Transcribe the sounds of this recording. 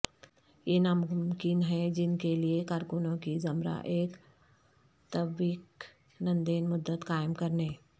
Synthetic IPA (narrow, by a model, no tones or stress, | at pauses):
jenamʊmkɪnɦɛd͡ʒɪnkeliekaːɾkʊnõkizɐmɾa̰ʔeːk | t̪əbiːk | nɐ̃nd̪eːnmʊd̪ːət̪kaːɪmkɐɾneː